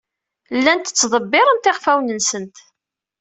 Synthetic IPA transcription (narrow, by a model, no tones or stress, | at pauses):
lːænt̪ːə̥t͡sːðˤəbːɪɾˤənt̪eʁfæwnənsənt̪